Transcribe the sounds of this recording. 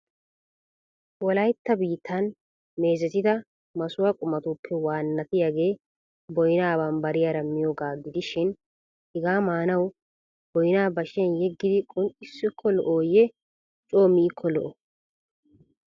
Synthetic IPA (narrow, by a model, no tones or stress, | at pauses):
wɔlɐjt̪ːɐbiːt̪ʰːɐn | me̞ːzɛt̪ɪt̪ɐ | mɐsʊwakʼʊmɐt̪uːpʰːɛwaːnːɐt̪ɪjaɡe̞ː | bɔjɪnaːbaːnbɐɾɪjaɾɐmːɪjoːɡaːɡɪd̪ɪʃɪn | hɪɡaːmaːnɐw | b̥ɔjɪnaːbɐʃɛnjɛɡːɪd̪ɪkʼʊnʔɪsːɪkʰːɔlɔʔoːjɛ | t͡ʃʼo̞ːmɪɪkʰːɔlɔ̰ʔɔ